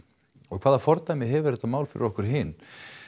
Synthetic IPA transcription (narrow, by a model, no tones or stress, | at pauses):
ɔkʰvaːðafɔɾt̪ajmɪɦɛvʏɾɾɛt̪amaːwlfɪɾɪ̰ɾɔhkʏɾ̥ɦɪn